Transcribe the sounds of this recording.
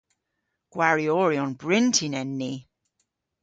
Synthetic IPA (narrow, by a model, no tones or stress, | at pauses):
ɡ̥waɹiɔːɹiɔnbɹɪntʰinɛnːi